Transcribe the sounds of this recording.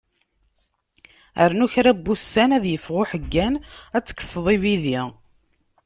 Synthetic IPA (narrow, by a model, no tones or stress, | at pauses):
əɾnuçɾæbːusːænæðjəfʁʊħəɡːænæt͡sːə̥kːə̥sˤðˤiviði